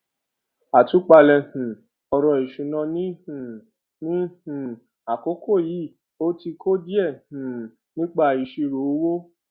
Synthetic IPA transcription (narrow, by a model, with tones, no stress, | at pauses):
a˨tu˨˦k͡pa˧lɛ˧hũ˨ | ɔ˧ɾɔ˧i˨ʃũ˨nã˧nĩ˦hũ˨ | nĩ˦hũ˨ | a˨ko˨˦kʰo˦˨ji˨˦˨ | o˦ti˧kʰo˦d͡ʒi˦ɛ˦˨hũ˨ | nĩ˦k͡pa˧˨i˨ʃi˧ɾo˨˦wo˦